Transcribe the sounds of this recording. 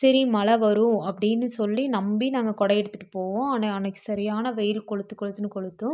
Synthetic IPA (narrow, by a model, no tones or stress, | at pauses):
sɐɾimɐlɐʋɐɾɯ̃ɐpːɐɽɪnːɯsɔlːinɐmbinaːŋɡɐkɔɽɐjɛɽɯt̪ːɯʈːɯpoːʋõːɐnɐɐnɐkːɯ̥sɐɾɪjaːnɐʋɛjɪlkɔɭɯt̪ːɯkːɔɭɯt̪ːɯnɯkɔɭɯt̪ːɯ̃